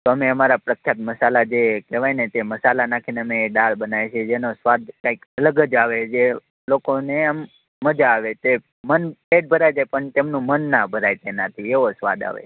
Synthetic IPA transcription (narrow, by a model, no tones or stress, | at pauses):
t̪oəmeəmaɾapɾəkʰjat̪məsalad͡ʒekeʋajnet̪eməsalanakʰineəmeɖaɭbənajt͡ʃʰed͡ʒenosʋad̪̚kaikələɡəd͡ʒaʋed͡ʒe | lokoneamː | əd͡ʒaːʋet̪e | mənpeʈ̚bʱəɾajd͡ʒajpəɳt̪emnũmənːabʱəɾajt̪enat̪ʰieʋosʋa̰d̪a̰ʋḛ